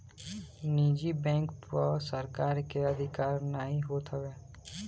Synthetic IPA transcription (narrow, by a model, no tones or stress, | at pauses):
niːd͡ʒibɛ̃ːŋkpəsəɾkaːɾkeəd̪ʱɪkaːɾnəɦĩɦoːt̪ɦəɡeː